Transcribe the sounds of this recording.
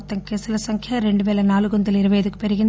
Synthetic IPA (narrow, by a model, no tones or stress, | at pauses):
t̪ːɐŋkeːsɪlɐsɐŋkʰɪjaɾɛɳɖɯʋeːlɐnaːlɯɣɔnd̪ɐlɪɾɐʋɐjɐðɯkːɯ̥pɛɾɯɣɪn